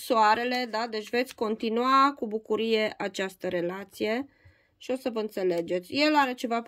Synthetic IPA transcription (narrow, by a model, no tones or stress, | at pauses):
soaɾe̞le̞d̪ad̪e̞t͡ʃʲve̞t̪sʲko̞nt̪inuakubukuɾije̞ʔat͡ʃast̪əɾe̞lat̪sije̞ | ʃio̞səvəɨnt̪se̞le̞d͡ʒe̞t̪sʲje̞laɾe̞t͡ʃe̞vap